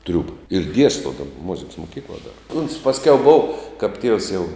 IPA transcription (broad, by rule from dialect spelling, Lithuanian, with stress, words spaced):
ˈtʲrʲuːbɐ ɪr ˈdʲiɛstoː ˈdɑːbɐ mʊzʲɪks moːˈkʲiːklˠɐ dɐr ʊns pɐsʲˈkʲɛʊ boːw kɐp tʲiɛws jɛʊ